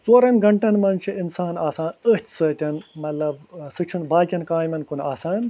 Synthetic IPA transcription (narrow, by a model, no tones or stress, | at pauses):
t͡soːɾɐnɡɐɳʈɐnmɐnt͡ʃʰiʔinsaːnaːsaːnət͡ʃʰʲsɐt̪ʲɐnmɐt̪lɐbsɨt͡ʃʰunbaːkʲɐnkaːjmɐnkuna̰ːsaːn